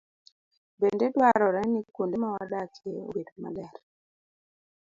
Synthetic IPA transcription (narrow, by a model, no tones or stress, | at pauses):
bendedwaɾɔɾɛnikundemawadakʰeo̰bedoma̰lɛɾ